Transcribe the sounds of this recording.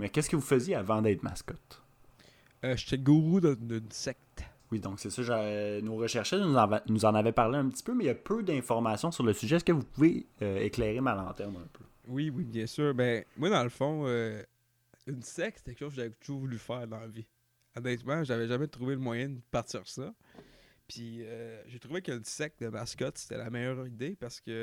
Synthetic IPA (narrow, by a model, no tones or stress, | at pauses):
mɛkʲɛskəvufəzjeavɑ̃d̪ɛːt̪ma̰skɔt̪ | øʃe̥t̪ɛɡuʁud̪əd̪ənsɛk̚t̪wid̪ɔ̃ksɛsɔʒanoʁəʃɛʁʃɛnuzɑ̃vnuzɑ̃navɛpaʁleœ̃pt̪i̥pømɛjapʰød̪ɛ̃fɔʁmasjɔ̃syʁləsyʒɛːskəvupuveøeklɛːʁemalɑ̃t̪ɛʁmœ̃ːpø | wiwibjɛ̃ːsyːʁbɛmwad̪ɑ̃ləfɔ̃ø | ynsɛkst̪ɛkʃowzkəʒavɛt̪uʒuːʁvulyfæːʁd̪ɑ̃vi | ɔnɛt̪mãʒavɛʒamɛt̪ʁuveləmwajɛ̃d̪əpaʁt̪ḭːʁsʌ | pʰiøʒet̪ʁuvekːnsɛk̚d̪əmaskɔt̪se̥t̪ɛ̰lamɛjœːʁid̪epaʁsə̥kʲə